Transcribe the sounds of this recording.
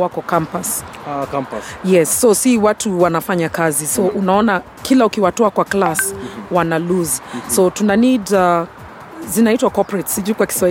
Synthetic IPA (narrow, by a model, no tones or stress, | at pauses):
wakɔkãmpaskajɛsːɔsiwatuwanafaɲakazisɔʔunaɔna | kʰilaukiwatɔakwaklaswanaluzasotunanida | zinaitwakɔpɹɛtsiʄukwaki̥swa